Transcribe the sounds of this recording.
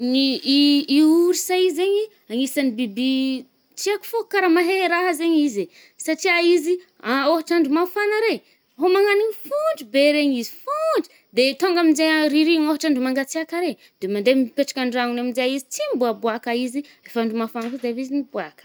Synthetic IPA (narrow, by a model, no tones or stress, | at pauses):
niː | uɾisaizeɲi | aŋisanibibi | tiaku̥fokaɾamaɦeɾaɦazeɲize | saʈ͡ʂiaizi | aoɦaʈ͡ʂaɳɖ͡ʐumafanaɾe | ɦomaŋaniɲifuɳɖ͡ʐibeɾeɲizi̥fuɳɖ͡ʐu̥ | d̪et̪oŋɡaminzeɾiɾiŋoɦaʈ͡ʂaɳɖ͡ʐumaŋɡat͡siakaɾe | d̪̥emaɳɖ͡ʐemipeʈ͡ʂḁkʲaɳɖ͡ʐaŋunaminzeaizit͡simbuabuakaizi | efaɳɖ͡ʐumafanaked̪eavizinibuakə̥